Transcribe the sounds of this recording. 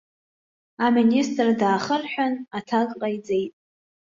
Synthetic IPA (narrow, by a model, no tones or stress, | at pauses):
aministʼrdaːχərħʷᶣanatʰaɡʼqʼajd͡ze̞jtʼ